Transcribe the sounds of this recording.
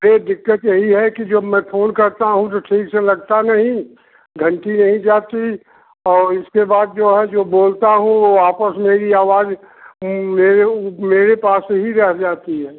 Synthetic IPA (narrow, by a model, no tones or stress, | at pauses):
ɾeɖɪkːət̪jɐɦiɦɛkid͡ʒomɛ̃ːpʰoːnkɐɾt̪aɦũt̪oʈʰiːkselɐɡ̚t̪anɐɦĩ | ɡʱɐ̃ɳʈinɐɦĩd͡ʒaːt̪i | ɔːɾɪskebaːd̪̚d͡ʒoːɦɛd͡ʒoːboːlt̪aɦũʋoaːpəsmeːɾiaːʋaːz | meːɾemeːɾepaːsːeɦiɾɛɦd͡ʒaːt̪iɦɛː